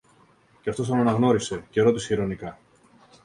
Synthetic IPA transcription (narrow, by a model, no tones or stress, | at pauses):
ceɐft̪o̞st̪onɐnɐɣno̞ɾise̞ce̞ɾo̞t̪iseiɾo̞nikɐ